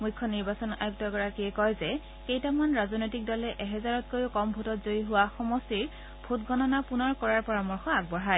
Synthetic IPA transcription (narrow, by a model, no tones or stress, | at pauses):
mujkʰːɔniɹbasɔna̰juk̚tɔɡɔɹakiɛkɔjzɛ | kejtamanɹazɔnojtik̚dɔlɛʔɛɦɛzaɹɔt̚kojʊkɔmbʱutɔtzoiɦʊwaxɔmɔsiɹ | bʱutɡɔnɔnapunɔɹkɔɹaɹpɔɹamɔɹxɔaɡ̚bɔɦaj